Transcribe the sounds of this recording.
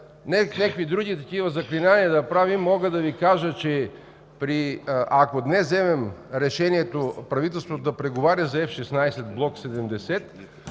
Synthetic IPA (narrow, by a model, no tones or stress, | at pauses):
nɛnʲakid̪ɾuɡʲit̪ɐkivɐzɐklʲinaniɐd̪ɐpɾavimːɔɡəd̪ɐvikaʒət͡ʃɛ | pɾiʔakod̪nɛszɛmɛmɾɛʃɛniɛt̪opɾɐvit̪̬ɛlˠst̪vot̪od̪ɐpɾɛɡovaɾʲɐzɐɛfʃɛsnajsɛt̪̚blˠɔksɛd̪ɛmd̪ɛsɛt̪